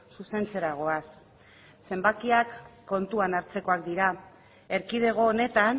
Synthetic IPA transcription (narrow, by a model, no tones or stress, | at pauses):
suse̞nt͡se̞ɾaɣ̞o̞as | se̞mbakiakːo̞nt̪uanaɾt͡se̞ko̞ak̚d̪iɾa | e̞ɾkiðe̞ɣ̞o̞ːne̞t̪an